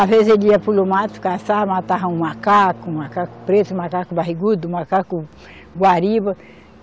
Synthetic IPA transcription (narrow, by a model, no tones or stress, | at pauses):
avezeliɐpulomat̪u̥kasamat̪aɦɐũmakakumakaku̥pɾet̪umakakubaɦiɡud̪umakaku | ɡwaɾibɐ